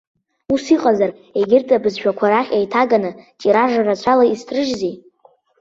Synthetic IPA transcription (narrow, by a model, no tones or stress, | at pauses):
usiqʼazar | e̞ɡʲɪrtʼabɨzʃᶣakʷʰaɾaχʲajtʰaɡanɨt͡ʃʼiɾaʐarat͡ɕʷʰalaistʰʼrɨʒzi